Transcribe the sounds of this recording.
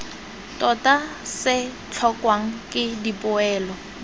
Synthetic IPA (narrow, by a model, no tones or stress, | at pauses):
tɔta | sɪ | t͡ɬʰɔkwaŋ̩kʼɪdipʊɛːlɔ